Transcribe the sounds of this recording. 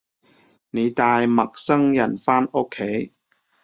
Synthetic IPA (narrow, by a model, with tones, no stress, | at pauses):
ne˨˧jt̪aː˧jmɐ˨k̚sɐ˥ŋjɐ˨˩nfaː˥noː˥kʰːe˨˥j